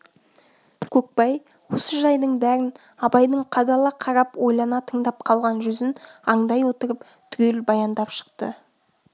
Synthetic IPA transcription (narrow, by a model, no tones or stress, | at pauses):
kʲʰɵk̚pɑj | wo̞səʒɑjd̪əɴbæɾɪn | ɑbɑjd̪əɴqʰɑd̪ɑlˠɑqʰɑɾɑpwo̞jlˠɑnɑt̪ʰəŋd̪ɑp̚qʰɑlˠʁɑnʒʏzɪnɑɴd̪ɑjwo̞t̪əɾəp | t̪ʰʏ̥ɡʲʰelbɑjɑnd̪ɑpʃə̥qt̪ə̰